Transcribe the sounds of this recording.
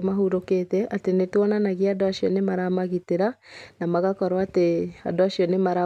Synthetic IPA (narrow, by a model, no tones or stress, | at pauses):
maɦuɾokeːtɛʔatenetwɔnanaɣiadoaɕiɔnemaɾamaɣiteɾanamaɣakɔɾwaːtea̰doaɕiɔnemaɾa